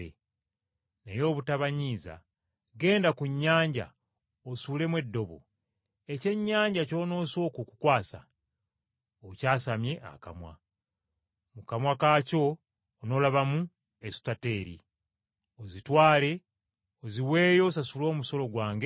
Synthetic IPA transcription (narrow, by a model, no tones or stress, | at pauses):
ḛ | nejo̞ːβutaβaɲiːza̰ | ɡe̞ːndakuɲːaːɲɟa̰ | osule̞mwe̞dːo̞βo̰ | e̞ce̞ɲːaːɲɟaco̞ːno̞ːso̞ːkukukwaːsa̰ | ocaːsamje̞ʔa̰ka̰mwa̰ | mukamwakaːco̞ː | no̞ːlaβamu | e̞si̥tate̞ːɾḭ | ozitwaːle̞ | oziwe̞ːjo̞s̬asulo̞ːmuso̞lo̞ɡwaːŋɡe